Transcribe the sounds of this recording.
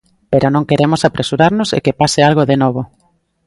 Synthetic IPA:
peɾonõŋkeɾemosapɾesuɾaɾnosḛkepasealɣoðenɔβ̞o

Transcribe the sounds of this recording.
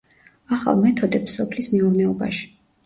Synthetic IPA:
aχa̰lˠmɛt̪ʰɔd̪ɛpsːɔpʰlismiuɾnɛɔba̰ʃi̥

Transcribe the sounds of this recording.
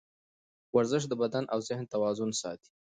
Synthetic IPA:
waɾzɪʂ̬d̪əbad̪anʔawzɪhnt̪awɑzʊnsɑ̰t̪i̥

